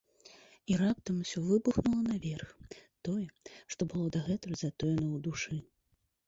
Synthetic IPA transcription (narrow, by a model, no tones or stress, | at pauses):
iɾap̚t̪ɐmusʲɔvɨbuxnulˠɐnavʲɛrxt̪ɔjɛʂt̪ɔbɨlˠɔd̪aɣɛt̪ɔzat̪ɔjɛnɐwd̪uʂɨ